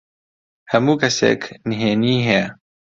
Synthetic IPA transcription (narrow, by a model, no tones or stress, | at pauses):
hɐmukɐsḛːkniɦeːniːɦe